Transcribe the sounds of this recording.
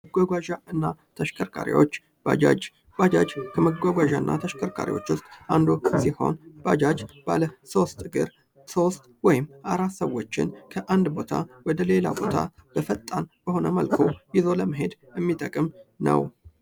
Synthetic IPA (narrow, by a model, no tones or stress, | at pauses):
əɡʷaɡʷaʒaɨnːat̪ʰəʃkʰʼəɾkʰa̰ɾḭwo̞̰t͡ʃː | b̥a̰d͡ʒa̰d͡ʒ | bad͡ʒad͡ʒkʰəməɡʷaɡʷaʒaɨnːʔa̰t̪ʰəʃkʰəɾkʰa̰ɾḭwo̞̰t͡ʃːʊst̪ʼʔand̪osiho̞̰nbad͡ʒad͡ʒb̥aləso̞st̪ʼɡɨɾ | so̞st̪ʼwɔjɪmːʔaɾat̪səwot͡ʃːɪ̰nkʰəʔand̪bo̞t̪ʰa̰wɔd̪əle̞la̰bo̞t̪ʰa̰b̥əfət̪ʼːanb̥əɦo̞nəməlkʰo̞jɪzo̞ləməɦe̞d̪jɛmːit̪ʼəkʼɨmnə̰w